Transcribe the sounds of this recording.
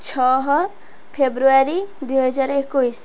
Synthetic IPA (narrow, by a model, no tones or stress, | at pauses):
t͡ʃʰɔɦ | pʰebɾuaɾid̪ujɦʌd͡ʒaɾekːujs